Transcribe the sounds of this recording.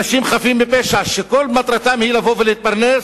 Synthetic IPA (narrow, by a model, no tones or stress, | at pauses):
aʃimχafimbepeʃaʃekolmat̪ʁat̪amhilavoveleit̪̚paʁnes